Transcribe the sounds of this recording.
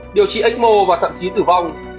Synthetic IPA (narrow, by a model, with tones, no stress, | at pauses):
ɗi˨˩əwt͡ɕḭ˧˨ʔa˦˥ŋ̟̚mo˧˩vaː˨˩t̪ʰə̰˧˨t͡ɕi˨˦t̪ɨ˨˩va˧˩wŋ͡m